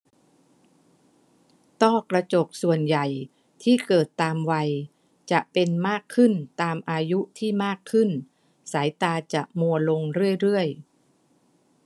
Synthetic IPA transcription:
t̪ɔː˥˩kɾa˧t͡ɕo˨˩k̚su˨˩ənja˨˩j | t̪ʰiː˥˩kɤː˨˩t̪ːaː˧mwa˧j | t͡ɕa˨˩ʔpe˧nmaː˥˩kʰːɯ˥˩nt̪aː˧mʔaː˧ju˦˥t̪ʰiː˥˩maː˥˩kʰːɯ˥˩n | saː˩˦jt̪aː˧t͡ɕa˨˩ʔmu˧ɐlo˧ŋɾɯ˥˩əjɾɯ˥˩əj

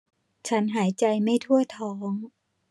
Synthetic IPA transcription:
t͡ɕʰa˦˥nɦaː˩˦jt͡ɕa˧jma˥˩jt̪ʰu˥˩ɐt̪ʰɔː˦˥ŋ

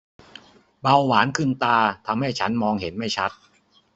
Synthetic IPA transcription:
ba˧wːaː˩˦nkʰɯ˥˩nt̪aː˧t̪ʰa˧mha˥˩jt͡ɕʰa˦˥nmɔː˧ŋɦe˩˦nma˥˩jt͡ɕʰa˦˥t̪̚

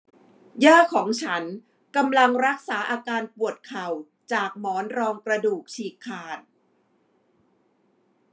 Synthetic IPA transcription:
jaː˥˩kʰɔː˩˦ŋt͡ɕʰa˦˥n | ka˧mla˧ŋɾa˦˥k̚saː˩˦ʔaː˧kaː˧npu˨˩ət̪̚kʰa˨˩w | t͡ɕaː˨˩k̚mɔː˩˦nɾɔː˧ŋkɾa˧duː˨˩k̚t͡ɕʰiː˨˩kʰːaː˨˩n̚

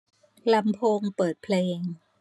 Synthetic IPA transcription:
la˧mpʰoː˧ŋpɤː˨˩t̪̚pʰleː˧ŋ

